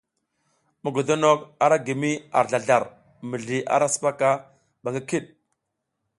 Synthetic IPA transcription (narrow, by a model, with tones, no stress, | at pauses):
mu˨ɡo˨do˦no˦ka˨ɾa˦ɡi˨mi˦a̰˨ɾɮa˨ɮa˨ɾ | mə˨ɮi˨ʔa̰˦ɾa˦sə̥˦pa˦ka˦ | ba˨ka˦ki˦ɗ̚